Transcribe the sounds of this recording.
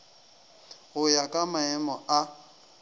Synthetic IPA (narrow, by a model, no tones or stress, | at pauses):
ɣʊjakʼamaɛmɔa